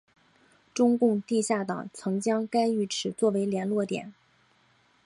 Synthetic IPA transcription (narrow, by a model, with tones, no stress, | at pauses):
ʈ͡ʂʊ˥ŋkʊ˥˧ŋt̪i˥˧ɕja˥˩t̪ɑ̰˨˩ŋt͡sʰɤ˧˥ŋt͡ɕjɑ˥ŋka˥ɪy˥˩ʈ͡ʂʰɻ̩˨˩t͡swɔ˥˩we˧˥ɪljɛ˧˥nlwɔ˥˩t̪jɛ̰˨˩˦n